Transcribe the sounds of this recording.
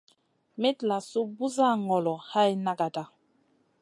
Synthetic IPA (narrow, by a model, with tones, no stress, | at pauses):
mɛ˦tla˨su˦bu˦za˦ŋɔ˨lɔ˨ha˦ji˦na˦ɡa˨da˨